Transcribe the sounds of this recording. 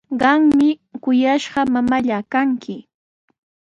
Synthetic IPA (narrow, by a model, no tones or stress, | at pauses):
ɢɑŋmɪkʊjaʃɢɑmamaʎakaŋkɪ